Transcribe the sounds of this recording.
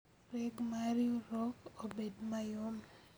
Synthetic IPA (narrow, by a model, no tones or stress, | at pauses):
ɾɛɡmaɾjoɾɔkobedmajom